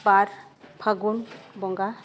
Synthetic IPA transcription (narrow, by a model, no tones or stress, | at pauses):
baɾ | pʰaɡunbɔŋɡa